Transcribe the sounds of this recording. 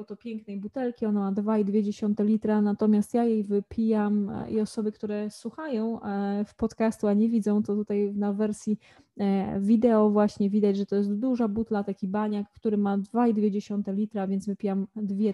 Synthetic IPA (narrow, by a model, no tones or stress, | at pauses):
wt̪ɔpʲjɛŋknɛjbut̪ɛlkʲiɔnamad̪vaid̪vʲjed͡ʑeɕɔnt̪ɛlʲit̪ɾanat̪ɔmʲjast̪jajejvɘpʲʰijamiɔsɔbɘkt̪uɾɛswuxajɔ̃w̃fpɔt̪kast̪uaɲɛvʲid̪zɔ̃w̃t̪ɔt̪ut̪ajnavɛɾsʲji | vʲid̪ɛɔvwaɕɲɛvʲid̪ad͡ʑʐɛt̪ɔjɛst̪d̪uʐabut̪lat̪akʲibaɲakːt̪uɾɘmad̪vaid̪vʲjed͡ʑeɕɔnt̪ɛlʲit̪ɾavʲjɛnzvɘpʲijamd̪vʲjɛ